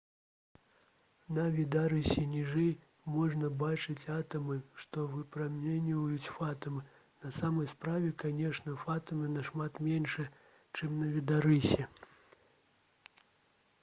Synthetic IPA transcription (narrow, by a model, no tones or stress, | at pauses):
nɐvʲid̪aɾɨsʲɛnʲiʐɛj | mɔʐnɐbat͡ʂɨt͡sʲat̪ɐmɨʂt̪ɔvɨpɾamʲɛnʲivɐjut͡sʲfat̪ɐmɨ | nɐsamɐjspɾavʲɛkanʲɛʂnɐfat̪ɐmɨnɐʂmat̪mʲɛnʂɛ | t͡ʂɨmnɐvʲid̪aɾɨsʲɛ